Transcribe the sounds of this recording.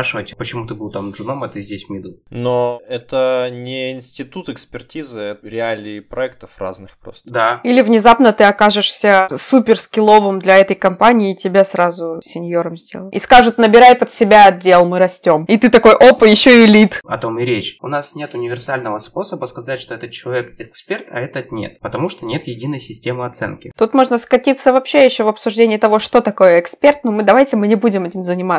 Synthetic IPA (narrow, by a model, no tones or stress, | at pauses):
aʂɨvətʲpət͡ɕɪmut̪ɨbɨlˠt̪amʐɨnomɐt̪ɨzʲdʲesʲmʲid̪unoɛt̪ənʲɪɪnsʲtʲɪt̪ut̪ɨkspʲɪrtʲizɨɛɾʲɪalʲɪpɾɐɛk̚t̪əfra̰znɨxpɾo̰st̪d̪ailʲɪvnʲɪzapnət̪ɨɐkaʐɨʂsʲəsupʲɪrskʲɪlˠo̞vɨmd̪lʲɐɛt̪əjkɐmpanʲɪːtʲɪbʲasɾazʊsʲɪnʲjo̞ɾəmzʲdʲe̞̰lˠəḭskaʐɨt̪nəbʲɪɾajpət̪sʲɪbʲaɐdʲe̞lˠmɨɾɐsʲtʲo̞mit̪ɨt̪ɐko̞jʔo̞pɨjɪɕːo̞ɪlʲit̪ɐ̰t̪o̞mɪɾʲet͡ɕʊnasnʲe̞t̪ʊnʲɪvʲɪrsalʲnəvəspo̞səbəskɐzatʲʂt̪o̞ɛt̪ət̪̚t͡ɕːɪlˠɐvʲekɛkspʲert̪ɐ̰ɛt̪ət̪nʲḛt̪pət̪ɐmuʂt̪onʲe̞t̪jɪdʲinəjsʲɪsʲtʲemɨɐt̪sɛ̰nkʲɪt̪ut̪mo̞ʐnəskɐtʲit̪səvɐpɕːejɪɕːovɐpsʊʐdʲenʲɪjɪt̪ɐvo̞ʂt̪o̞t̪ɐko̞jəɪkspʲert̪numɨd̪ɐvajtʲɪmɨnʲɪbudʲɪmɛtʲɪmzənʲɪma